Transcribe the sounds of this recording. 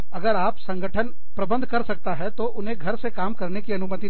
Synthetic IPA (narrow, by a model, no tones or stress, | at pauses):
ɐɡəɾaːpsɐ̃ŋɡʱəʈʰən | pɾɐbə̃nd̪ʱkɐɾsɐk̚t̪aɦɛt̪oʔʊnɦẽɡʱɐɾsekaːmkɐɾnekiɐnʊmət̪i